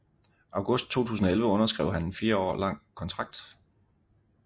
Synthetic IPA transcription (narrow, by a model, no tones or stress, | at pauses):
ʔɑ̈ʊɡ̥ɔ̽sd̥̚t͡sʰo̝̰ːt͡sʰṵːs̬n̩ɒelʋəɔ̽nɐsɡ̥ʁɛ̰ʊ̰ɦænenfiːɐɒ̰ːlɑ̈ŋ̰kʰɒ̽nt͡sʰʁɑ̈ɡ̥̚d̥